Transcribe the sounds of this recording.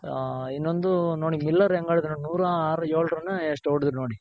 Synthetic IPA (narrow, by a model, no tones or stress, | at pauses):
inːond̪uno̞ːɽimilːɐɾeŋɡaːɽid̪unoːɽinuːɾaːɾɐjoːlɾɐnːɐesʈoːɾɖid̪ɾunoːɽi